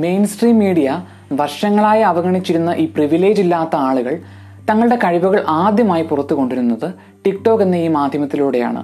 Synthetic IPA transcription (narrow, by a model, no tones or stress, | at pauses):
me̞jnsʈriːmːiːɽijɐ | ʋɐrʂɐŋːɐɭaːjɐɐʋɐɣɐɳit͡ɕːiɾunːɐʔiːpriʋile̞ːd͡ʑilːaːt̪ːɐaːɭuɣɐɭ | t̪ɐŋːɐɭɽe̞kɐɻibuɣɐɭʔaːd̪jɐmaːjipurɐt̪ːuɣo̞ɳɖiɾunːɐðɨ | ʈikʈo̞ːkːe̞nːɐiːmaːd̪ʱjɐmɐt̪ːiluːɽe̞ja̰ːɳɨ̰